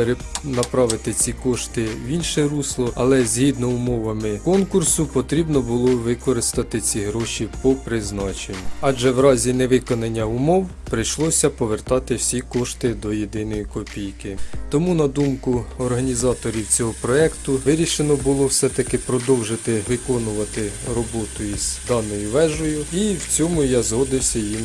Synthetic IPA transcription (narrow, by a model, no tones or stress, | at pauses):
eɾenɐpɾɑʋɪt̪ɪt͡sʲikɔʃt̪ɪʋʲinʃɛɾuslˠɔɐlˠɛzʲɦid̪nɔʊmɔʋɐmɪkɔnkʊrsʊpɔt̪ɾʲibnɔbʊlˠɔʋɪkɔɾɪst̪ɐt̪ɪt͡sʲiɦɾɔʃʲipɔpɾɪznɑt͡ʃenʲːʊɑʒɛwɾɑzʲinɛʋɪkɔnɐnʲːɐʊmɔw | pɾɪjʃlˠɔsʲɐpɔʋert̪ɑt̪ɪwsʲikɔʃt̪ɪd̪ɔjed̪ɪn̪ɔjikɔpʲijkɪt̪ɔmunɐd̪umkʊɔrɦɐnʲizɑt̪ɔɾʲiwt͡sʲɔɦɔpɾɔɛkt̪ʊʋɪɾʲiʃenɔbʊlˠɔwsɛt̪ɐkɪpɾɔd̪ɔwʒet̪ɪʋɪkɔnʊʋɐt̪ɪrɔbɔt̪ʊjizd̪ɑnɔjʊʋɛʒɔjʊiwt͡sʲɔmʊjɑzɦɔd̪ɪwsʲɐjim